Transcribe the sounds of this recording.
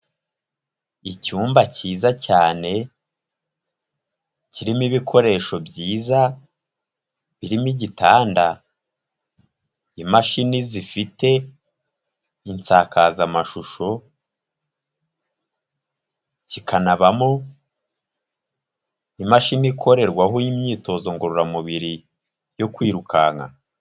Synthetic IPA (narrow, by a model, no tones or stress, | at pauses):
icuːmbaciːzacaːne̞ | ciɾimiβikʰo̞ɾe̞ːʃo̞bɟiːza | βiɾimiɟitaːnda̰ | imaʃinizifite̞ | int͡saːkazamaʃuʃo̞ | cikʰanaβamo | imaʃinikʰo̞ɾe̞ɾɡwaɦojimɲiːto̞zo̞ŋɡoɾuɾamuβiɾi | jo̞kwiːɾukʰa̰ŋa̰